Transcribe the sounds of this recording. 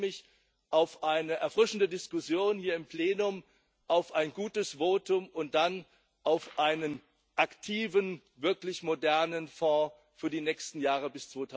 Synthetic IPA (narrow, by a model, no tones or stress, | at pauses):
mɪç | ʔaʊfʔaɪnəʔɛɐfʁ̥ɪʃn̩dədɪskʊsjoːnhiːɐɪmpleːnʊm | ʔaʊfʔaɪnɡuːtəsv̥oːtʊmʊnt̚d̥an | ʔaʊfʔaɪnən | ʔaktʰiːvən | vɪɐklɪçmodɛɐnənfɔ̃ː | fyːɐdiːnɛːkstn̩jaːʁəbɪst͡sv̥oːtʰa